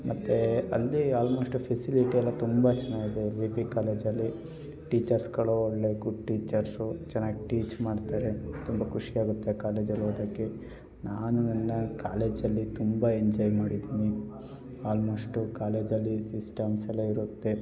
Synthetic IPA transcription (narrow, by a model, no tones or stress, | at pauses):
mɐt̪ːeɐ̰lːiaːlmo̞ːʂʈupʰesiliʈiɐlːɐt̪umbɐt͡ʃɛnaːɡid̪e̞ʋipikaːle̞ːd͡ʒɐlːi | ʈiːt͡ʃɐɾsɡɐɭuɔɽlekuʈiːt͡ʃɐɾsut͡ʃɛnːaːɡiʈiːt͡ʃmaːɖt̪aːɾe̞t̪umbɐkʰuʂijaːɡut̪ːe̞kaːle̞ːd͡ʒɐlːuɐd̪ɐkːe | naːnunɐnːɐkaːle̞ːd͡ʒɐlːit̪umbɐeɲd͡ʒɔːjmaːɽid̪iːni | aːlmoːʂʈukaːle̞ːd͡ʒɐlːisisʈɐmsɛlːɐiɾut̪ːe